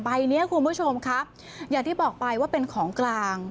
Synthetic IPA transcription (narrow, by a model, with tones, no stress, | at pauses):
ba˧jni˦˥ɐkʰu˧nbu˦˥t͡ɕʰo˧mkʰa˦˥p̚ | jaː˨˩ŋt̪ʰiː˥˩bɔː˨˩k̚pa˧jwaː˥˩pe˧nkʰɔː˩˦ŋklaː˧ŋ